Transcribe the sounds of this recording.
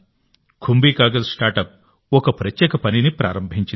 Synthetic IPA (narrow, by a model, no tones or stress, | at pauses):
kʰumbiːkaːɡɐssʈaːɾʈɐp̚ | ɔkɐpɾɐtjɛːkɐpɐninipɾa̰ːɾɐmbʱiɲt͡ʃi